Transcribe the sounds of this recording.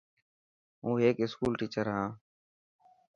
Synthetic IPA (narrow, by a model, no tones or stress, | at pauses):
ɦũːɦeːkɪskuːlʈiːt͡ʃəɾɦãː